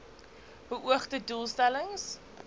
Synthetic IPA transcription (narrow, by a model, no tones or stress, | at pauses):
ɦuʔuəχtədulˠstæləŋs